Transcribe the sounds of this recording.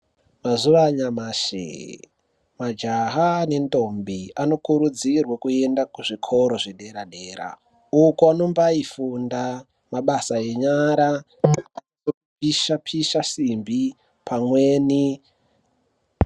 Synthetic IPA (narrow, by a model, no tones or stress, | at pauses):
mazuʋaɲamaʃḛ | mad͡ʒaɦane̞nto̞mbiano̞kuɾud͡zirwakue̞ndakuʐikʰo̞ɾo̞ʐeɗe̞ɾaɗe̞ːɾa̰ | ukuano̞mbaifunda | maɓasae̞ɲaɾa | aio | piʃapʰiʃasimbi | pʰamwe̞ːni